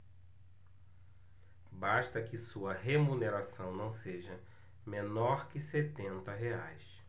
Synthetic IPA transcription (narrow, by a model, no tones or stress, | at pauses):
baʃt̪ɐkɪsuɐɦemuneɾasɐ̃w̃nɐ̃w̃seʒɐ | mẽnɔɾkɪset̪ẽnt̪ɐɦea̰js